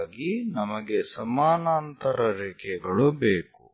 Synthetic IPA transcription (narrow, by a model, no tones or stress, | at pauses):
ɡinɐmɐɡesɐmaːnaːnt̪ɐɾɐɾeːkʰɛɡɐɭubeːkṵ